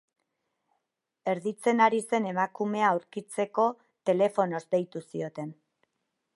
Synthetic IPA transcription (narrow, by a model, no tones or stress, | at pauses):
e̞ɾðit͡se̞naɾise̞ne̞makume̞aːwɾkit͡se̞ko̞ | t̪e̞le̞fo̞no̞zd̪e̞jt̪usio̞t̪e̞n